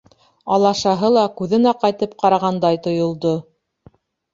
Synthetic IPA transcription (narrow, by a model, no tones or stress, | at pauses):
ɑlˠɑʃɑɦɤlˠɑkʉðɘ̆næqɑjt̪ɤp̚qɑɾɑʁɑnd̪ɑjt̪ŏjŏlˠd̪o